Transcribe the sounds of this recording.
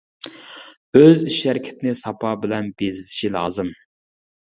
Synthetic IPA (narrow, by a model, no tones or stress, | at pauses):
øziʃæɾɪkʲʰɪ̥t̪ʰɪnɪsɑpʰɑbɪlɛnbezɪlɪ̥ʃilˠɑːzɨm